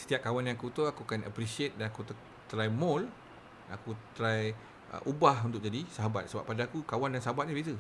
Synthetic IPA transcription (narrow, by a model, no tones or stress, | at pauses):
sə̥t̪iap̚kawanjaŋkut̪uakukanə̰pɾisiet̪̚danakut̪ | t̪ɾajmɔl | a̰kut̪ɾaj | ə̰ʔubahunt̪ʊk̚d͡ʒadisaɦaba̰t̪̚səba̰pːadaːkukawandansaɦabat̪̚ɲabezə